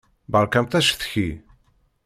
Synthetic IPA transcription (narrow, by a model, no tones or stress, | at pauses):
bəɾˤkæmt̪æʃθçi